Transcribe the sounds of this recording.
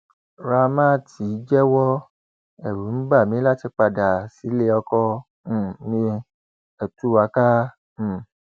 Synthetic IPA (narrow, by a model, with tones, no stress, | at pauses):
ɾa˧mã˦˨ti˨˦d͡ʒɛ˦wɔ˦ | ɛ˨ɾu˨˦n̩˦ba˦˨mĩ˨˦la˦ti˧k͡pa˧da˨si˨˦le˧˦ɔ˧kɔ̃˧˦˨ | mĩ˧ | ɛ˨tu˨˦wa˨˧˦kã˦˨